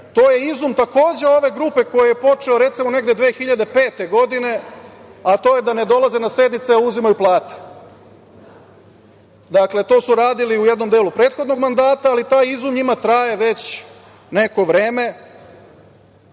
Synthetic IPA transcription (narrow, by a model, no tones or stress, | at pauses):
t̪o̞ːje̞izumt̪ako̞ːd͡ʑe̞o̞ʋe̞ɡɾuːpe̞ko̞jejepo̞t͡ʃe̞oɾe̞t̪simo̞ne̞ɡd̪e̞d̪ʋeːxiʎad̪e̞pe̞ːt̪e̞ɡo̞d̪ine̞at̪o̞ːje̞d̪ane̞d̪o̞lˠazenase̞d̪nit̪seauzimajuplˠaːt̪e̥ | d̪akle̞t̪o̞suɾaːd̪iliujed̪no̞md̪e̞ːlupɾe̞ːt̪xo̞d̪no̞ɡmand̪aːt̪aːlit̪aːjizumɲimat̪ɾaje̞ʋe̞t͡ɕ | neko̞ʋɾeːme̞